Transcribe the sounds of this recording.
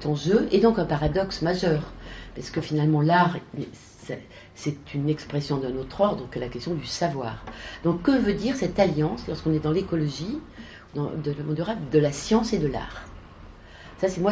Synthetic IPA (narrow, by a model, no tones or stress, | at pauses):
ɛt̪ɑ̃ʒøʔed̪ɔ̃kɛ̃paʁad̪ɔksmaʒœːʁpaʁsə̥kəfinalmɑ̃laʁ | sɛ | sɛt̪ynɛkspχɛsjɔ̃d̪ɛ̃not̪χɔʁd̪ɔ̃kɛlakʲɛst̪jɔ̃d̪ysavwaːʁd̪ɔ̃kːəvød̪iʁsɛt̪aljɑ̃slɔʁskɔ̃nɛd̪ɑ̃lekɔlɔʒi | ud̪ɑ̰̃d̪ɑləmɔ̃d̪yʁad̪əlasjɑ̃sed̪əla̰ːʁ | sasɛmwa